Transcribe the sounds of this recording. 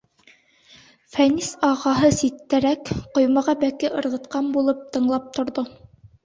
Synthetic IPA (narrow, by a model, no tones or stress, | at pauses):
fænisɑʁɑɦɤsit̪ːæɾækqŏjmɑʁɑbækɘʔɤ̆ɾʁɤ̆t̪qɑmbulˠɤp̚t̪ɤ̆ɴlˠɑp̚t̪ŏɾðo